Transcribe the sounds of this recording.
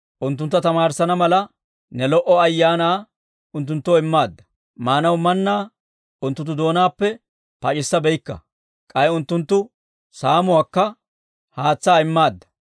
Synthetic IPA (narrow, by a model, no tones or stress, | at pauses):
ʔʊnt̪̬ːʊnt̪ːɐt̪ɐmaːɾsɐnɐmɐlɐ | nɛlɔʔɔɐjːaːnaː | ʊnt̪̬ːʊnt̪ːoːɪmːaːd̪ːɐ̥ | maːnɐwmɐnːaː | ʊnt̪ːʊnt̪̬ːʊd̪o̞ːnaːpːɛ | pɐt͡ʃʼɪsːɐbɛjkːɐ̰ | kʼɐjʊnt̪ːʊnt̪ːʊ | saːmʊwaːkːɐ | haːt͡sːaːɪmːaːd̪ːɐ̥